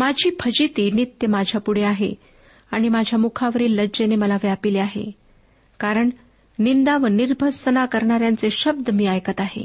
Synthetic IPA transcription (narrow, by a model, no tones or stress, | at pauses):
mad͡ʑʱiːpʰəd͡ʑit̪init̪jəmad͡ʑʱjapuɽeaɦḛ | aɽ̃imad͡ʑʱjamukʰaʋəɾiːlːəd͡ʑeneməlaʋjapileaɦḛ | kaɾəɳ | nind̪aʋəniɾbʱəsənakəɾɳaɾjant͡seɕəb̚d̪əmiːajkət̪aɦḛ